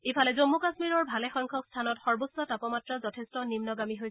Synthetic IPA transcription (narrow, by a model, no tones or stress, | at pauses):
epʰalɛzomːukasmiɹɔɹbʱalɛxɔjŋkʰɔkstʰanɔtxɔɹbosːɔtapɔmatɹazɔtʰɛstɔnimnɔɡamiɦojsɛ